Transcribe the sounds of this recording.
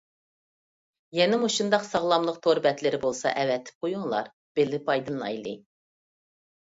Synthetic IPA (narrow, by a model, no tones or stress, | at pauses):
jɛnɪmuʃund̪ɑqsɑʁlˠɑmlˠəq̚t̪ʰoɾbɛt̪lɪɾɪbolˠsɑ̰ʔɛvɛt̪ʰːɪ̥p̚qʰojuŋlˠɑ̰ɾ | b̥ɪlːɪpʰɑjd̪ɨnlˠɑ̰jlˠɨ